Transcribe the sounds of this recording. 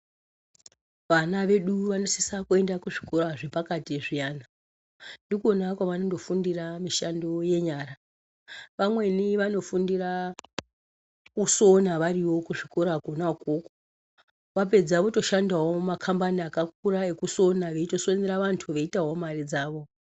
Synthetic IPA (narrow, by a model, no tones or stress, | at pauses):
ʋanaʋe̞ɗuʋano̞sisakue̞ndakuʐiko̞ɾaʐepakatiʐijaːna | ndikuonakwaʋanondo̞fundiramiʃando̞je̞ɲaːra | ʋamwe̞niʋano̞fundira | kuso̞naʋariwo̞kuʐiko̞ɾaɡʱonakoko̥ | ʋap̬e̞d͡zaʋo̞to̞ʃandawomakʰambaniakak̚uɾaekuso̞naʋeito̞so̞neɾaʋantʰuʋe̞itaɦo̞marid͡zaːʋo